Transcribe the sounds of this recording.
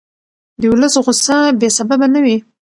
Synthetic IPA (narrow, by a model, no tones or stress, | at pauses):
d̪əwʊləsɣʊsabesababanawi